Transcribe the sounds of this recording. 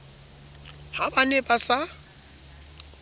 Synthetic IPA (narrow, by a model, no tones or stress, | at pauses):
habanepʼasa